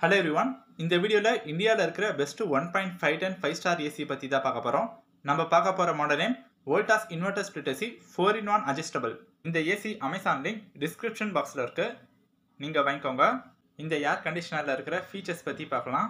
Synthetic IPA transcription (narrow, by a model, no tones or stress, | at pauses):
hɐleʋɾiʋɐn | ɪnd̪ɐʋiːɽɪjoːlɐʔɪɳɖɪjaːlɐɪɾɯkːɪɾɐbɛsʈːɯʋɐnpaːɪɳʈfɐɪʈɐnfɐɪsʈaːɾeːsipɐt̪ːit̪ãːpaːkɐpːɐːɾõː | nɐmbɐpaːkɐpːoːɾɐmoːɽɐlen | ʋoːlʈaːsɪnʋɐʈːɐsplɪʈːɐsifoːɾɪnʋaːnɐd͡ʒɐsʈɐbɐl | ɪnd̪ɐeːsiʔɐmɐɪsaːnɐlɪnɖɪskɾɪpʂɐnbaːkslɐɪɾɯkːɯ | niːŋɡɐʋaːŋkːoːŋɡɐ | ɪnd̪ɐjaːɾkɐɳɖɪʂɐnɐːlɐɪɾɯkːɪɾɐfiːt͡ʃɐspɐt̪ːipaːkɐlãː